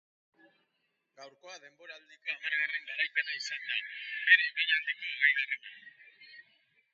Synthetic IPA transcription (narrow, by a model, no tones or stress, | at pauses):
ɡawɾko̞aðe̞mbo̞ɾaːld̪iko̞amaɾɣareŋɡaɾajkat̪aisand̪abe̞ɾeβajald̪iko̞eɣajɣareman